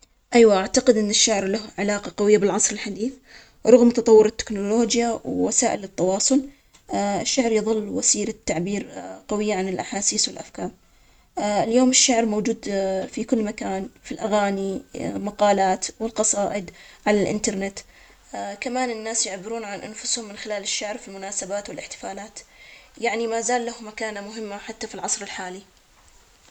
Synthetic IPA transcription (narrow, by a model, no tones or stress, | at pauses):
ʔajwaʔaʕt̪aqɪd̪ʔɪnːɪʃːaʕɾlahʕɪlaːqɑqɑwɪjːabɪlʕɑsˤɾɪlħad̪iːθ | ɾˤʊɣmt̪ɑt̪ˤɑwːʊɾɪt̪ːɪ̥knʊloːd͡ʒjawwasaːʔɪlɪt̪ːɑwɑːsˤʊl | ɪʃːaʕɾjɨðˤɨlːwasiːɾat̪ːaʕbiːɾqawɪjːaʕanɪlʔaħaːsiːswɪlʔafkaːɾ | ɪljoːmɪʃːaʕɾmowːd͡ʒuːd̪fikʊlːmakaːnfilʔaɣaːnimaqɑːlaːt̪wɪlqɑsˤɑːʔɪd̪ʕalalʔɪ̰nt̪ɑɾˤnɪt̪ | kamaːnɪnːaːsjɪʕbɪɾuːnʕanʔanfʊshʊmːɪnxɪlaːlɪʃːaʕɾfilmʊnaːsabaːt̪wɪlʔɪħt̪ɪ̥faːlaːt̪jaʕnimaːzaːlːahʊmakaːnamʊɦɪmːaħat̪ːafilʕɑsˤɾɪlħaːli